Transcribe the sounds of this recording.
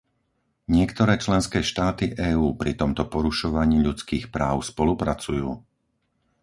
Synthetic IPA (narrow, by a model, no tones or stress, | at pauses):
ɲɪɛkt̪ɔɾɛːt͡ʃlɛnskɛːʃt̪aːt̪iʔɛːuːpɾit̪ɔmt̪ɔpɔɾuʃɔʋaɲiːʎut͡skiːxpɾaːʊspɔlupɾat͡sujuː